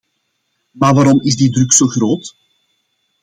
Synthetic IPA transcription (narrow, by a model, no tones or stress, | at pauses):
maːʋaːɾɔmɪzdidɾʏksoːɣɾoːt